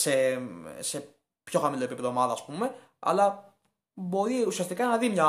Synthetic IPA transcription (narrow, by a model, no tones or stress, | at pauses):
sese̞ | pço̞xɐmiloepipeðomɐðɐːspume̞ | ɐ̰lɐ | bo̞ɾiusiɐst̪ikɐnɐðimɲɐ